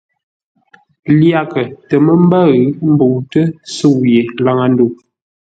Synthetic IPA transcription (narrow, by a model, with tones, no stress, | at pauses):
lja˦˨kə˨tə˨mə˦m˦ba˦ɣə˨˦m̩˦bo˨wtə˦sə˦˨wje˨la˦˨ŋa˨n˦du˨